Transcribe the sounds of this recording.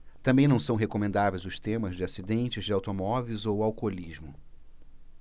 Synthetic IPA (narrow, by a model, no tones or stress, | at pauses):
t̪ɐ̃mbẽj̃nɐ̃w̃sɐ̃w̃ɦekomẽnd̪avejzʊst̪ẽmɐzd͡ʒɪasid̪ẽnt͡ʃɪzd͡ʒɪawt̪omɔvejzowawkoliʒmʊ